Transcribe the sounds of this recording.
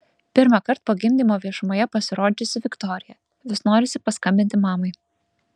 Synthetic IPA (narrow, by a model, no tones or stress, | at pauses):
pʲɪɾmɑkɐɾt̪̚poːɡʲɪmʲd̪ʲiːmoːʋʲiɛʃʊmoːjɛpɐsʲɪɾoːd͡ʒ̪ʲɪsʲɪʋʲɪkt̪ɔːɾʲɪjɛ | ʋʲɪsnoːɾʲɪsʲɪpɐskɐmʲbʲɪnʲt̪ʲɪmɑːmɐɪ